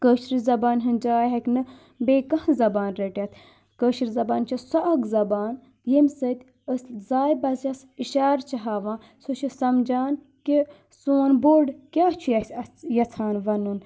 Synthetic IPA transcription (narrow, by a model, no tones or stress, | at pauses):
kəːʃɾizɐbaːnɦɐnd͡ʒaːjɦɐkʲnɨ | beːkɐhzɐbaːnɾɐʈʲɐt̪ʰ | kəːʃɾizɐbaːnt͡ʃʰɐsɐɐkzɐbaːn | jemʲsət̪ʲ | əszaːjbɐzjɐs | iʃaːɾt͡ʃʰɐɦaːʋãː | sot͡ʃʰisɐmd͡ʒaːn | kʲi | sunboːɾɖkʲaːt͡ʃʰujɐsʲɐjɐt͡sʰaːnʋɐnun